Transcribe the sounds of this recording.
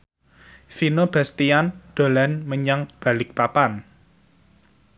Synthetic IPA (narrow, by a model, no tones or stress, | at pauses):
finob̥a̤st̪iand̪̥o̤lanməɲaŋb̥a̤lɪk̚papan